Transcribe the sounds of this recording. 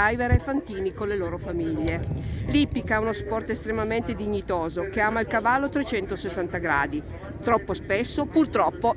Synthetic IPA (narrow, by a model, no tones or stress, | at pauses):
ajveɾefant̪iːnikonleloːɾofamiʎːelipikaunospɔrt̪est̪ɾemament̪ed̪iɲːit̪oːzokeaːmailkavalːot̪ɾet͡ʃɛnt̪osesːant̪aɡɾa̰ːd̪i | t̪ɾɔpːospesːopurt̪ɾɔpːo